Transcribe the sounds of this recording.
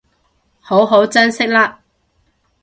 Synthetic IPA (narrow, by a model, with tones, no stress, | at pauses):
ho˨˥wɦo˨˥wt͡sɐ˥nsɪ˥k̚laː˥